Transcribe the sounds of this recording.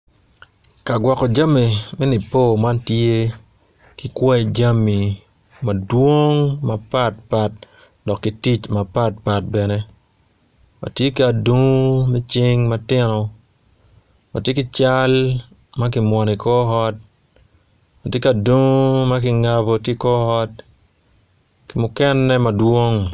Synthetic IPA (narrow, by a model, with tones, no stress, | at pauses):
ka˨ɡwɔ˨kɔ˨d͡ʒa˦mːi˨mɛ˦ni˨po˦˨ma˦ntje˦ | kɪ˨kwɛ˦˨d͡ʒa˦mi˨ | ma˨dwo˦ŋma˨pa˦t̚pa˦t̚ | dɔ˨kːi˦ti˦t͡ʃma˨pa˦t̚pa˨t̚bɛ˨ne˦ | ma̰˨tje˦kia˨du˦ŋ˦mɛ˦t͡ʃɪ˦ŋma˦tɪ˦nɔ˨ | ma˨tje˦kɪ˦t͡ʃa˦l | ma˦k̬ɪ˨mwɔ˨nɪ˨kɔ˦ɦɔ˦t̚ | mɐ˨tje˦ka˨du˦ŋ˦ma˦kɪ˨ŋa˦bo˨tje˦kɔ˦ɔ˦t̚ | kɪ˨mʊkɛ˦nːɛ˦ma˨dwo˦ŋ